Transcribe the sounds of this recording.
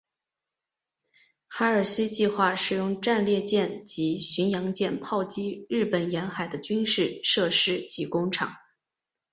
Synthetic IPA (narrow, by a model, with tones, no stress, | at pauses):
xa˧˥ə˞˨˩ɕi˥t͡ɕi˥˧xwa˥˩ʂɻ̩˨˩jʊ˥˧ŋʈ͡ʂa˥˧nljɛ˥˧t͡ɕjɛ˥˩nt͡ɕi˧˥ɕy˧˥njɑ˧˥ŋt͡ɕjɛ˥˧npʰɑ˥˩ʊt͡ɕi˥ɻɻ̩˥˩pə˨˩njɛ˧˥nxa˨˩ɪd̪ə˦t͡ɕy˥nʂɻ̩˥˩ʂɤ˥˩ʂɻ̩˥t͡ɕi˧˥kʊ˥ŋʈ͡ʂʰɑ̰˨˩˦ŋ